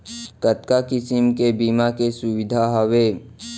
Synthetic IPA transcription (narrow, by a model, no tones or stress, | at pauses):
kət̪kakɪsɪmkebiːmakesʊwɪd̪ʱaɦəweː